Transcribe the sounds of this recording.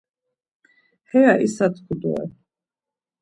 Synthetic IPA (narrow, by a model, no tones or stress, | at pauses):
hɛaʔisat̪ʰkʰud̪ɔ̰ɛ̰